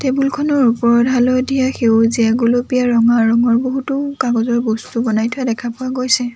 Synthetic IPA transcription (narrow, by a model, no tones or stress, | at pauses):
tebulkʰɔnɔɹupɔɹɔdʱalɔdijaxewziaɡolopijaɹɔŋaɹɔŋɔɹboɦutʊkaɡɔzɔɹbɔstubɔnajtʰʊjadɛkʰapʊwaɡojsɛ